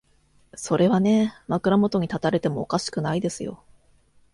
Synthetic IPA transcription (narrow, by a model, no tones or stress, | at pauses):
so̞ɾe̞βane̞makɯ̟ɾamo̞t̪o̞ɲ̟it̪at̪aɾe̞t̪e̞mo̞ːkaɕi̥kɯ̟naid̪e̞sɨjo̞̰